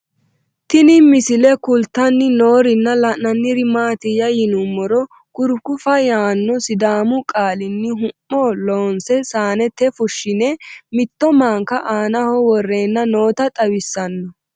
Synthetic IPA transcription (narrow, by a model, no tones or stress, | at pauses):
t̪ɪnɪmɪsɪlɛkʊlt̪ːɐnːɪnoːɾɪnːɐlɐnːɐnːɪɾɪmaːt̪ɪjɐjɪnʊmɔɾɔ | kʊɾkʊfɐjaːnːɔsɪd̪aːmʊkʼaːlɪnːɪɦʊmːɔloːnsɛsaːnɛt̪ɛfʊʃːɪnɛmɪt̪ːɔmaːŋkɐʔaːnɐhɔwɔrːeːnːɐno̞ːt̪ɐt̪ʼɐwɪsːɐnːɔ